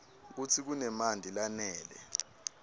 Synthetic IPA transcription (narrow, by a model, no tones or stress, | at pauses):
k̬ut͡sʰik̬unɛmandʱilanɛːlɛ̰